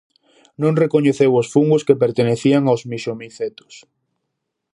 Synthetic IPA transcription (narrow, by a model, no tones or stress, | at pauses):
nõŋrekoɲeθewosfuŋɡoskepeɾt̪eneθiaŋawzmiʃomiθet̪ʊ̥s